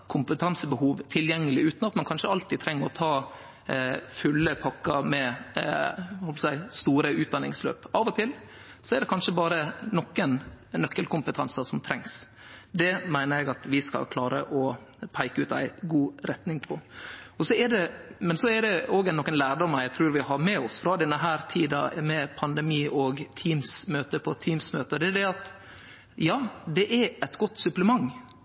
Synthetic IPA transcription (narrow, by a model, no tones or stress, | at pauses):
kʰʊmpət̪ʰɑnsəbəhuːʋt̪ʰɪljɛŋːəlɪʉːt̪nɑt̪mɑnkɑnʂəɑlt̪iːt̪ʰɾɛŋːəɾɔt̪ʰɑː | fʉlːəpʰɑkːəɾmɛ | ʋhɔlpsæɪst̪uːɾəʉːt̪̚d̪ɑnɪŋslø̰ːpɑːʋɔt̪ʰɪl | sɔɛɾd̪ɛkʰɑnʂəbɑːɾənɔkːənnœkːəlkʰʊmpət̪ʰɑnsəsɔmt̪ʰɾɛŋs | d̪ɛmæɪnəɾjæɪɡɑt̪ʋɪskɑ̰lkʰlɑːɾə̰ʔɔpʰæɪkʉːt̪æ̰ɪɡuːɾɛt̪nɪŋpʰɔɔsɔɛɖɛmɛnsɔɛɾd̪ɛoːɡæɛnɔkːənlæːɾɖɔməɾjæɪt̪ʰɾʉːɾʋɪhɑɾmɛɔsfɾɑd̪ɛnːəɦæːɾt̪ʰiːd̪ɑ̰mɛpʰɑnd̪ɛmiːʔɔɡt̪ʰiːmsmøːt̪əpʰɔt̪ʰiːmsmøːt̪əd̪ɛɖɛɑt̪ | jɑːd̪ɛʔɛɾɛt̪ɡɔt̪ːsʉpləmɑŋː